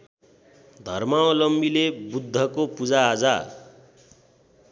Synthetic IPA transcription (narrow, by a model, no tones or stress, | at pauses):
d̪ʱʌrmaõlʌmbilebud̪ʱːʌkopud͡zaːd͡za